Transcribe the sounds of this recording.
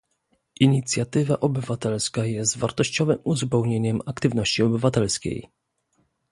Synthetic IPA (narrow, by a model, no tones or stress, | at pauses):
ʔiɲit̪sʲjat̪ɘvaʔɔbɘvat̪ɛlskajɛst̪vaɾt̪ɔɕt͡ɕɔvɘmuzpɛwɲeɲɛmakt̪ɘvnɔɕt͡ɕiɔbɘvat̪ɛlskʲḛj